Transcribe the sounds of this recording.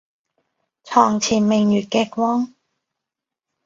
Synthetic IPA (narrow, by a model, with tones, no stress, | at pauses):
t͡sʰɔː˨˩ŋt͡sʰiː˨˩nmɪ˨˩ŋjyː˨˩t̚kɛː˧k̚wɔː˥ŋ